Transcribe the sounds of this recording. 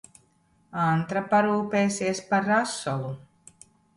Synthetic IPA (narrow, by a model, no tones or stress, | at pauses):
ant̪ɾapaɾuːpeːsiɛspaɾːasɔlˠu